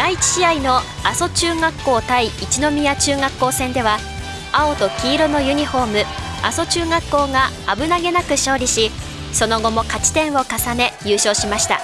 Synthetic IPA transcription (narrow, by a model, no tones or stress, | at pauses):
d̪̥ait͡ɕi̥ɕiaino̞ | aso̞t͡ɕɨːŋakːo̞ːt̪aiːt͡ɕino̞mʲijat͡ɕɨːŋakːo̞ːsẽ̞nd̪e̞βa | ao̞t̪o̞kʲiːɾono̞jɯ̟ɲ̟iɸo̞ːmɯ̟ | a̰so̞t͡ɕɨːŋakːo̞ːŋa | abɯ̟naɡe̞nakɯ̟ɕo̞ːɾʲiɕi | so̞no̞ɡo̞mo̞kat͡ɕi̥t̪ẽ̞ɰ̃o̞kasane̞jɯːɕo̞ːɕimaɕi̥t̪a̰